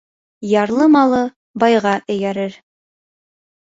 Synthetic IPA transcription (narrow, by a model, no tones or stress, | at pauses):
jɑɾlˠɤmɑlˠɤ | bɑjʁɑʔɵ̆jæɾɘɾ